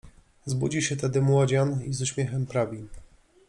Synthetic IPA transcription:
zbud͡ʑiɕɛt̪ɛd̪ɘmwɔd͡ʑanizuɕmʲjɛxɛmpɾavʲi

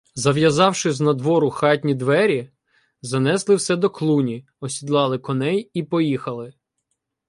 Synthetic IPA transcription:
zɐʋjɐzɑwʃɪznɐd̪ʋɔɾʊxɑtʲnʲid̪ʋɛɾʲi | zɐnɛslˠɪwsɛd̪ɔklˠunʲi | ɔsʲid̪lˠɑlˠɪkɔnɛjipɔjixɐlˠɪ

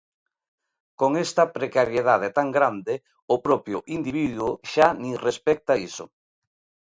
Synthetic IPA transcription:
koŋest̪ɐpɾekaɾjeð̞að̞et̪aŋɡɾand̪e | ʊpɾɔpjʊʔind̪iβiðwʊʃanĩrespɛk̚t̪aisʊ̰

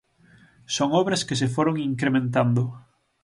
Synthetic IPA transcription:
soŋɔβɾɐskɪs̬ɪfoɾoŋiŋkɾemẽnt̪and̪ʊ

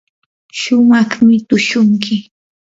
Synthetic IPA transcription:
ʃʊmɑχmɪt̪ʊʃʊŋkʰɪ

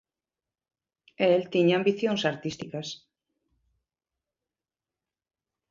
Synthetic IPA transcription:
elt̪iɲambiθjõŋsaɾt̪ist̪ikas

